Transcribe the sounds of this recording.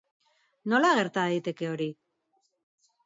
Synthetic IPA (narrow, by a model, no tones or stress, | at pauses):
no̞laɣe̞ɾt̪aðejt̪e̞ke̞o̞ɾi